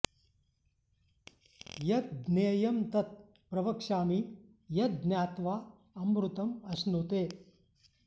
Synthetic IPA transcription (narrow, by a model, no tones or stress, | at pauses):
jɐt̪̚ɡneːjɐmt̪ɐt̪̚ | pɾɐʋɐkʂaːmiː | jɐt̪̚ɡ̪njaːt̪ʋaː | ɐmbɾut̪ɐmɐsnoːt̪eː